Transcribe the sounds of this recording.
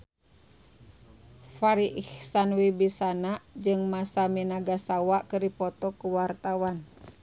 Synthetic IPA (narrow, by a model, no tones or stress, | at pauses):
faɾiʔihsanwibisanad͡ʒɨŋmasaminaɡasawaʔkɨrdipɔt̪ɔkuwart̪awan